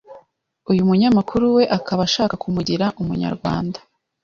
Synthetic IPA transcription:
ujumuɲamakʰuɾuwe̞ʔakʰaβaʃaːkakʰumuɟiɾaʔumṵɲa̰ɾɡwa̰ːnda

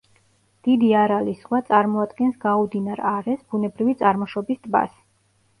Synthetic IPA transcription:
d̪̥id̪iaɾalisχwat̪sʼaɾmɔad̪ɡɛnsɡaud̪inaɾaɾɛsbunɛbɾivit̪sʼaɾmɔʃɔbist̪ʼba̰s

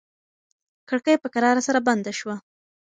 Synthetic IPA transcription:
kəɽkəjpəkaɾɑɾasaɾaband̪aʃwa

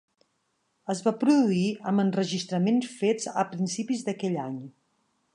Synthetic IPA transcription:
əzβapɾuðuiəmbənrəʒist̪ɾəmensfed͡zə̰pɾinsipizd̪əkɛʎaɲ

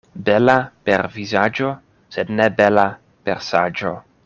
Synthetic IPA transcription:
belapeɾvizad͡ʒo | sed̪nebela | pḛɾsad͡ʒo̰

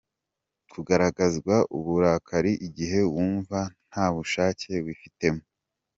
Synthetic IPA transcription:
kʰuɡaɾaɡazɡwaʔuβuɾaːkʰaɾiʔiɟiɦe̞βwuːɱvan̥haːβuʃaːcʰe̞βwifite̞mo

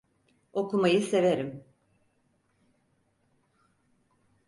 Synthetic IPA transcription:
o̞kumajɯse̞veɾim

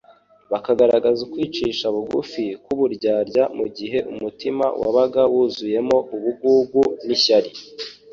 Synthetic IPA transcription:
βakaɡaɾaɡazukwiːt͡ʃiːʃaβuɡṵfikuβuɾɟaːɾɟamuɟiɦe̞ʔṵmutima̰wa̰βaɡawuːzuje̞mo̞ʔuβuɡuːɡuniçaɾi

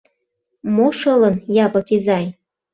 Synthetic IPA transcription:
moʃɤlə̆njɑpɤ̆kizɑj

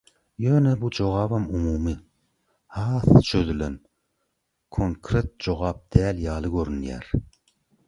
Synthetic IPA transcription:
jøːnɛbud͡ʒoʁɑːbɑmumuːmɨ | hɑːθt͡ʃʰøzylɛn | kʰoŋkʰɾet̪̚d͡ʒoʁɑp̚d̪̥æːljɑːlˠɨɡʲøɾynjæ̰ɾ

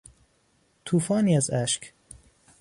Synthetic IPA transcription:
t̪ʰuːfɒːniːæzæʃk

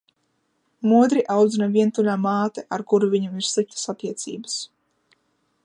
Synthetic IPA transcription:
muɔd̪ɾiʔawd̪zinaviɛnt̪ulʲaːmaːt̪ɛʔaɾkuɾuvʲiɲamiɾsɨp̚ʲt̪ḁsat̪ʲiɛt̪sḭːbəs

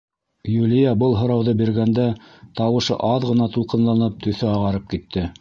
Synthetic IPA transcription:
julʲijɑbɤlˠɦŏɾɑwðɤbiɾɡænd̪æ | t̪ɑwɤ̆ʃɤ̰ʔɑðʁɤ̆nɑt̪ulˠqɤ̆nlˠɑnɤp̚t̪ɵ̆θɵɑʁɑɾɤp̚kit̪ːɘ

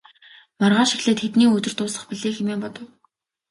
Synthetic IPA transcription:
marʁaːʃixɮeːt̪xet̪niːɵt̪ɵ̆r̥t̪ʊːsə̆χpiɮeːxemeːmpɔt̪ɞ̆w

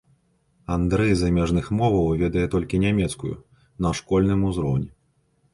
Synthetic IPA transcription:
and̪ɾɛjzamʲɛʐnɨxmɔvɐwvʲɛd̪ɐjɛt̪ɔlʲkʲinʲamʲɛt̪skujṵ | nɐʂkɔlʲnɨmuzɾɔwnʲɛ

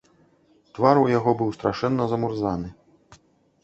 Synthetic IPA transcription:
t̪vaɾujaɣɔbɨwst̪ɾaʂɛnːɐzɐmurzanɨ

